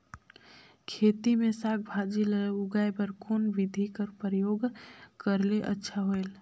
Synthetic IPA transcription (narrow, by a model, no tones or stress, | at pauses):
kʰeːt̪imẽsaːk̚bʱaːd͡ʒiləɾʊɡaːebəɾkoːnʋɪd̪ʱikəɾpɾəjoːɡkəɾleʔə̰tːʃʰaɦoel